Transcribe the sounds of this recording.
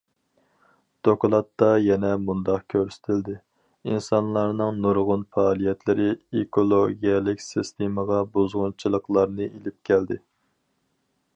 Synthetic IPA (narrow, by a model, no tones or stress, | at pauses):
d̪̥oklˠɑt̪ːɑjɛnɛmund̪ɑqkʲʰøɾsɪ̥t̪ʰɪld̪ɪ | insɑnlˠɑɾnɨŋnuɾʁʊnfɑːlˠijɛt̪lɪɾɪekʰolˠoɡʲijɛlˠɪkʲsist̪ʰeməʁɑbozʁʊnt͡ʃʰilˠəqlˠɑɾnɨʔelɪp̚kʲʰɛld̪ɪ